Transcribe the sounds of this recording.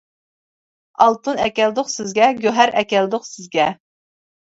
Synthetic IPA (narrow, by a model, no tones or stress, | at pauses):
ɑlˠt̪unɛkʲɛld̪ʊqsɪzɡʲɛɡʲøɦæɾɛkʲɛld̪ʊqsɪzɡʲɛ